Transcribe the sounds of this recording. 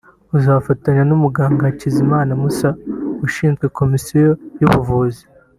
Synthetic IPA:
uzafataɲanumuɡaːŋɡacizimaːnamusauʃiːnzɡe̞ko̞misijo̞juβuvuzi

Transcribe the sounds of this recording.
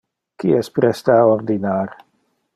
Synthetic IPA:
kiɛspɾɛst̪aːoɾd̪inaːɾ

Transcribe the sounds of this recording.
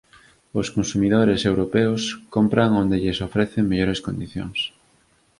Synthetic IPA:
oskonsumiðoɾesewɾopeoskompɾaŋond̪eʎesofɾɛθeŋmeʎoɾeskond̪iθjo̰ŋs

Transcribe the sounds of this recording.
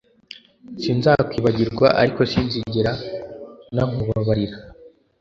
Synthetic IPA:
siːnzakwiːβaɟiɾɡwa̰ʔa̰ɾiko̞siːnziɟeɾa | naŋuβaβaɾiɾa

